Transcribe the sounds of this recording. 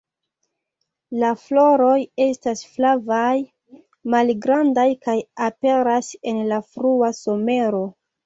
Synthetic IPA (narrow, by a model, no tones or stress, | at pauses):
laflo̞ɾo̞je̞stasflavaj | malɡɾandajkajape̞ɾase̞nlafɾuaso̞me̞ɾo̞